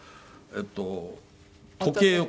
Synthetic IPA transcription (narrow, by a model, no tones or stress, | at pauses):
et̪ːo | t̪ʰokeːjo